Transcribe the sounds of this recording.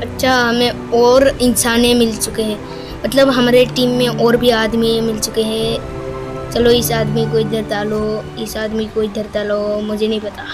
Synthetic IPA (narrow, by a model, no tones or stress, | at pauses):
ɐtːʃʰaɦɐmẽ | ɔːɾɪnsaːnẽmɪlt͡ʃʊkeɦɛ̃ː | mɐt̪ləbɦɐmaːɾeʈiːmːẽʔɔːɾbʱiaːd̪miẽmɪlt͡ʃʊkeɦɛ̃ | t͡ʃɐloɪsaːd̪mikoːɪd̪ʱɐɾt̪aːlo | ɪsaːd̪mikoːid̪ʱəɾt̪aːlomʊd͡ʒʱenɐɦĩpɐt̪a